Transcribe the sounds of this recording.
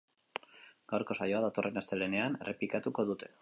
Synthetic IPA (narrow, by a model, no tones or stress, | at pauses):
ɡ̥awɾko̞sajo̞aðat̪o̞rʔe̞nast̪e̞le̞ne̞anreplikat̪uko̞ðut̪e̞̥